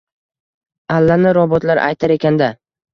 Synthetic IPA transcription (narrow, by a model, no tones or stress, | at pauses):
alːanɪɾɒbɒt̪laɾʔa̰jt̪ʰaɾe̞kʲʰand̪a